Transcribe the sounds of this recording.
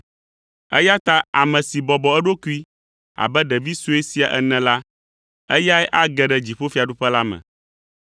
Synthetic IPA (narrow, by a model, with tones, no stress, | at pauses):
ɛ̰˦ja˦t̪a˦a̰˨mɛ̃˨si˨bɔ˨bɔ˨ɛ˦ɖo˦ku˦i˦ | a̰˨bɛ˦ɖɛ˨vi˦su˦e˦si˨a˨ʔɛ˨nɛ̃˨la˦ | ɛ˦ja˦ɛ˦ʔa˦ɡɛ˨ɖɛ˨d͡ʑi˨ɸo˦fi˦a˨ɖu˦ɸɛ˦la˦mɛ̰̃˨